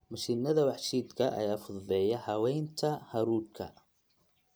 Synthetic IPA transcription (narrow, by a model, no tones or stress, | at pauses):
mɐʃinɐðɐwɑħʃiːd̪kʰɐʔɐ̰jaːfʊðvɛːjɐhɐwɛjnt̪ʰɐhɐɾuːrkʰɐ̰